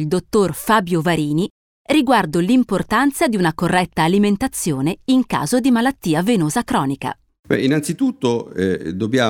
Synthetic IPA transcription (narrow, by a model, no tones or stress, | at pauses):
ild̪ot̪ːorfaːbjovaɾiːni | riɡward̪olimport̪ant̪sad̪iunakorːɛt̪ːaːliment̪at̪sːjoːneiŋka̰ːzod̪imalat̪ːiːavenoːzakɾɔːnika̰ | bɛ̰inant̪sit̪ut̪ːoɛd̪objaː